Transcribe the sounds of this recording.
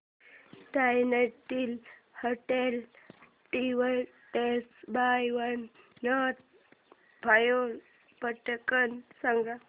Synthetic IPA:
ʈajnet̪iːl | hoʈel | ʈ̪iʋə | t̪esbajʋənː | ət̪̚ | bʱajon | pəʈəkənsaŋɡa

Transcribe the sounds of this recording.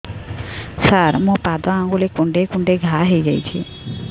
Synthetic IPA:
səɾmõpad̪oãŋɡulekũɳɖekʊ̃ɳɖeɡʱaɦəjd͡ʒajt͡ʃʰḛ

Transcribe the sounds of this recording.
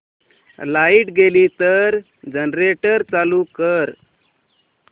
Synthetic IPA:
laiʈɡeliːt̪əɾ | d͡ʑənɾeʈəɾt͡salukəɾ

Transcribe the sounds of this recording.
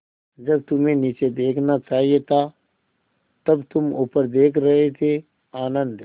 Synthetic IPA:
d͡ʒɐb̚t̪ʊmẽnit͡ʃed̪eːkʰnat͡ʃaːɦiet̪ʰa | t̪ɐbt̪ʊmʊːpəɾd̪eːkʰɾɐɦet̪ʰe | aːnə̃nd̪

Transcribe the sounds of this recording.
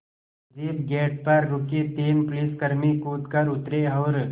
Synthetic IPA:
d͡ʒeːbɡɛːʈ̚pɐɾːʊkit̪eːnpʊliskəɾmikuːt̪kɐɾʊt̪ɾeɔːɾ

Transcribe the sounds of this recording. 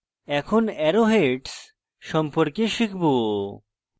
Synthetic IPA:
ɛkʰonɛɾoɦeʈs | ʃɔmpɔɾkeʃikʰbo

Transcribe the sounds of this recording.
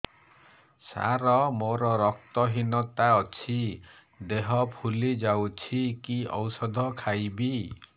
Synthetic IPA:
sa̰ɾɔmoɾɔɾɔk̚t̪ɔɦinɔt̪aɔt͡ʃʰi | d̪eɦɔpʰulid͡ʒawt͡ʃʰikiɔ̰wsɔd̪ʱɔkʰajbi

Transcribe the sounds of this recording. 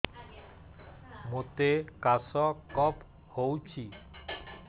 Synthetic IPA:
mot̪ekasɔkɔp | howt͡ɕʰi

